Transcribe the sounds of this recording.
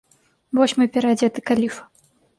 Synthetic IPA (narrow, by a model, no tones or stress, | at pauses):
vɔɕʲmɨpʲɛɾad͡zʲɛt̪ɨkalʲifɐ̥